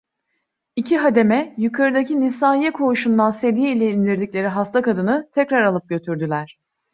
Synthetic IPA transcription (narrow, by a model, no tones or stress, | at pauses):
icʰiɦad̪e̞mɛjukʰaɾɯd̪acinisaːijɛkʰo̞uʃund̪anse̞d̪ijɛilʲɛind̪iɾd̪iclʲe̞ɾiɦast̪ʰakad̪ɯnɯt̪ʰɛcɾaɾalˠɯp̚ɟø̞t̪ʰyɾd̪ylʲæɾ̥